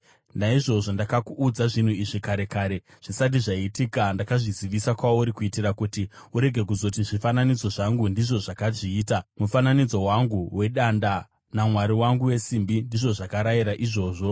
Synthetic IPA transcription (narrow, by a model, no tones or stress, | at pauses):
naiʐo̞ʐo̞ndakakuʔːd͡zaʐin̤uiʐikaɾe̞kaːɾe̞ | ʐ̥isat̬iʐaitikandakaʐiziʋisakwauɾikuitirakutiuɾe̞ɡʱe̞kuzo̞t̬iʐifananid͡zo̞ʐaŋɡundiʐo̞ʐakaʐiːtamufananid͡zo̞waŋɡuwe̞ɗanda | namwaɾiwaŋɡuwe̞simbindiʐo̞ʐakaɾaiɾaʔiʐo̞ːʐo̞